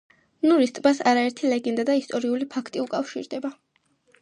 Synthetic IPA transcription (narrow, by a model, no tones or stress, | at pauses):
nuɾist̪ʼbasaɾaɛɾt̪ʰilɛɡɛnd̪ad̪aist̪ʼɔɾiulipʰakʰt̪ʼiukʼafʃḭɾd̪ɛba